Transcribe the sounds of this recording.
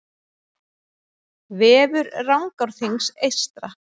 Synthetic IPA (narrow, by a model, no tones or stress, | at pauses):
vɛːvʏɾrawŋkawɾ̥θiŋsejst̪ɾa